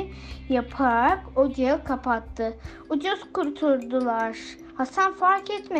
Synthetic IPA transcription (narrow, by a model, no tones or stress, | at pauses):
japʰaɾakod͡ʒaakʰapʰat̪ʰːɯ | ud͡ʒuz̥kʰuɾt̪ʰuɾd̪ulˠaɾ̥ | hasanfaɾkɛt̪me